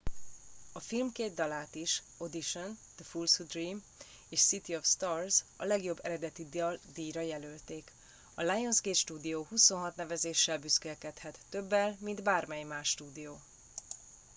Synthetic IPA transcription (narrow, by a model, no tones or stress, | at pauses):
ɒfilmkeːd̪d̪ːɒlaːt̪iʃ | o̞d̪iʃond̪̥əfulsud̪riːm | eːʃsit̪iofst̪ɒːrzɒlɛɡjo̞bːɛɾɛd̪ɛt̪id̪d̪iːɾɒjɛlølt̪eːk | ɒlajonzɡeːt̪ʃt̪uːd̪ijoːhuso̞nɦɒt̪nɛvɛzeːʃːɛlbyskɛlkɛt̪hɛt̪ːøbːɛlmind̪baːrmɛjmaːʃːt̪uːd̪ijoː